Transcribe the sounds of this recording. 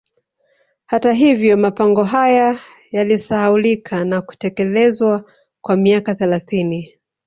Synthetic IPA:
hataɦivjɔmapaŋɡɔɦaja | jalisahaulikʰanaku̥tɛkɛlɛzwa | kwamiakaθɛlaθini

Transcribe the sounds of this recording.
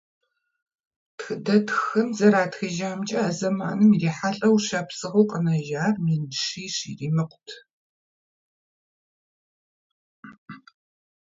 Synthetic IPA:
txɨdɐtxɨmzɐɾaːtxiʒaːmt͡ʃʼɐaːzɐma̰ːnɨmiriːħaɬʼɐwɕɐpsɨʁowqʼənɐʒaːrmiːnʃiːʂḭːriːmɨqʷʰʼʊtʰ

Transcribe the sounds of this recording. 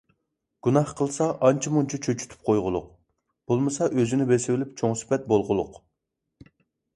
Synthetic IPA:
ɡ̥unɑhqʰəlˠsɑʔɑnt͡ʃʰimunt͡ʃʰit͡ʃʰøt͡ʃʰy̥t̪ʰy̥p̚qʰojʁʊlˠʊ̰q̚ | b̥olˠmɨsɑʔøzɪnɪbesɪwɪlɪp̚t͡ʃʰoŋsɪ̥pɛt̪̚bolˠʁʊlˠʊq

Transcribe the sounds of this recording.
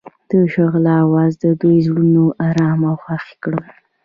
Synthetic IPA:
d̪̥əʃaɣlawɑzd̪əd̪ujzɽunoʔaɾɑmawxaxe̥kɽəw

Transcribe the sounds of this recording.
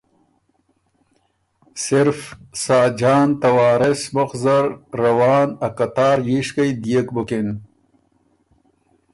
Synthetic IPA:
siɾfsaːd͡ʑaːnt̪ɐwaːɾesmoxzɐɾːɐwaːnɐkɐt̪aːɾjiʂkɐjd̪ijekbukin

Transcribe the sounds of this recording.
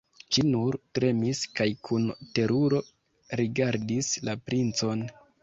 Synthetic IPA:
t͡ʃinuɾtɾe̞miskajkʰunte̞ɾuɾo̞ | ɾiɡaɾdislapɾint͡so̞n

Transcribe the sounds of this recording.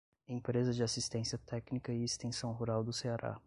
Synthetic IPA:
ẽpɾezɐd͡ʒɪasist̪ẽsiɐt̪ɛknikɐɪest̪ẽsɐ̃w̃ɦuɾawd̪ʊseaɾa̰

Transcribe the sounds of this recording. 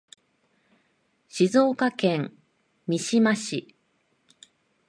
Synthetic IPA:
ɕizo̞ːkakẽ̞ŋ | mʲiɕimaɕi

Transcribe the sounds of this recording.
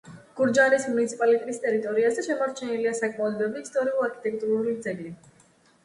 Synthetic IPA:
ɡ̥uɾd͡ʒaɾismunit̪sʰipʼalit̪ʼɛt̪ʼist̪ʼɛɾit̪ʼɔɾiazɛʃɛmaɾt͡ʃʰɛniliasakʼmaɔd̪bɾabiːst̪ʼɔɾiulaɾkʰi̥t̪ʼɛk̚ʼt̪ʼuɾulid̪zɛɡli

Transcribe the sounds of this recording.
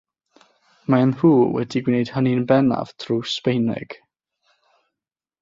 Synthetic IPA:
manruːwɛ̰diɡwnejd̥həninbɛna̰v̥tʰruːspejnɛ̰ɡ̥

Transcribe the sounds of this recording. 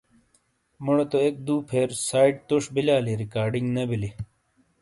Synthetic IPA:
muɽot̪oek̚d̪uːpʰeːɾsaːiʈ̚t̪uʂbilaːliɾikaːɾɖiŋɡnɐbili

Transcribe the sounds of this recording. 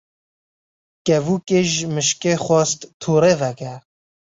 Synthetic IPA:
kɛvuːkeʒmɨʃkeːxʷɔst̪t̪ʰoːɾeːvɛkɛɾ

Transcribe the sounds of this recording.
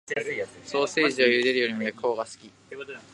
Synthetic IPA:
so̞ːse̞ːʑiojɯ̟d̪e̞ɾɯ̟joɾʲimojakɯo̞ːɡasɨ̥kʲi

